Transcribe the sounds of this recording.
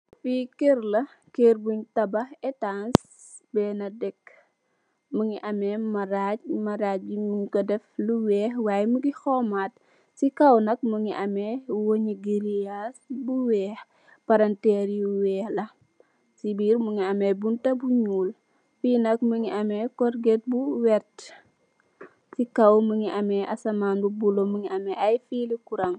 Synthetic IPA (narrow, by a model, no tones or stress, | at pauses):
fikɛrlɐ | kerbuɲtɐbɐɛtans | bɛːnɐdɛkː | muŋiʔɐmɛmɐɾamɐɾabimuɲkɔdɛfluwɛːhwaːjɛmuɡixɔmat̚ | sikɐwnɐk̚muŋiʔɐmɛwoɲiɡiɾiasbuwɛːx | pɐɾɐntɛɾjuwɛːhlɐ | sibiːɾmuŋiɐmɛbuntɐbuɲuːl | fiːnɐk̚məŋiʔɐmɛkɔɾɡɛt̚buwɛrt | sikɐwməŋiʔɐmɛʔɐsɐmaːnbubuloməŋiɐmɛʔɐjfiːlikuɾɐŋ